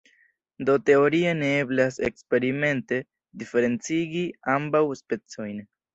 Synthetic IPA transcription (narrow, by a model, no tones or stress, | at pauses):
do̞te̞o̞ɾianeeblase̞̰kspe̞ɾime̞nte̞ | dife̞ɾe̞nt͡siɡiambawspe̞t͡so̞jn